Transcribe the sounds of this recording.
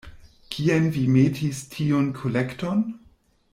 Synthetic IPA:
kʰienvimetʰistʰionkʰolekton

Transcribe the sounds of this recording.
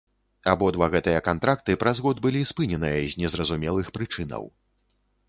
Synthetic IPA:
abɔd̪vaɣɛt̪ɨjɐkant̪ɾak̚t̪ɨpɾɐzɣɔd̪̚bɨlʲispɨnʲɛnɨjɐzʲnʲɛzrɐzumʲɛlˠɨxpɾɨt͡ʂɨnɐ̰w

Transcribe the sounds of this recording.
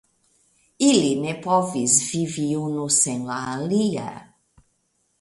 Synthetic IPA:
ilinepɔvizviviwnʊsẽlaliɐ̰

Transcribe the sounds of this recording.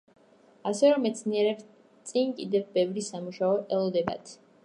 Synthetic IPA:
asɛɾɔmːɛt̪sʰniɛɾɛps | t̪sʼinkʼid̪ɛvbɛvɾisamuʃaɔʔɛlˠɔd̪ɛba̰t̪ʰ

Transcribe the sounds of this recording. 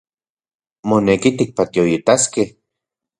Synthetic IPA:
monekit̪ik̚pat̪joit̪askeh

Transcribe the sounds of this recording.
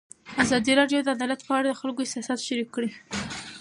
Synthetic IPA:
azɑd̪iɾɑɖjod̪əad̪ɑlat̪pəaɽad̪əxalɡoɪsɑsɑt̪ʃaɾikːɽi

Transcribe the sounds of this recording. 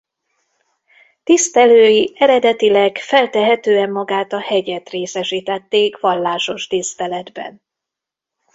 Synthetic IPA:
t̪ist̪ɛløːjiɛɾɛd̪ɛt̪ilɛɡfɛlt̪ɛɦɛt̪øːɛmːɒɡaːt̪ɒhɛɟɛt̪reːsɛʃiːt̪ɛt̪ːeːkʋɒlːaːʃo̞ʃt̪ist̪ɛlɛd̪bɛ̰n

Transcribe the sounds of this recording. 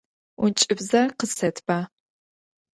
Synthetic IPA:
unt͡ʃʼɪbzɐqəsɐtʰb̥aː

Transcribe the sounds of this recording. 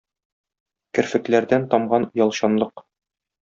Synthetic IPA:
kɘ̆ɾfɘ̆klæɾd̪ænt̪ɒmʁɑn̆jɒlˠɕɑnlˠɤq

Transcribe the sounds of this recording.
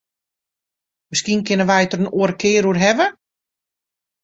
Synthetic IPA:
məskinkɪnəʋɛjtərənoəɾəkʰɪːɾuərɦɛvə

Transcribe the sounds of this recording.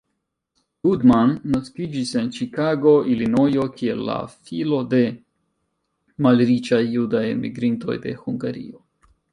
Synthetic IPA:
ludmanːaskid͡ʒise̞nt͡ʃikaɡo̞ilino̞jo̞kʰielːa̰filo̞de̞ | malɾit͡ʃajːudajḛmḭɡɾinto̞̰jde̞̰huŋɡaɾḭo̞

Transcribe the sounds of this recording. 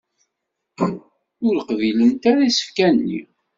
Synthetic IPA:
ʊɾəqvilənt̪aɾæisə̥fkænːḭ

